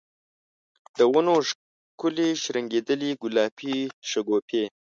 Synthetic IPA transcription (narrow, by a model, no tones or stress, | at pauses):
d̪̥əwunoʂ | kʊliʃɾəŋɡed̪əliɡʊlɑpʰiʃaɡopʰeː